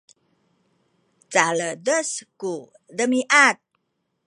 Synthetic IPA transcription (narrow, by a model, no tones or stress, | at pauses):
t͡salədəsku | dəmiʔat̪̚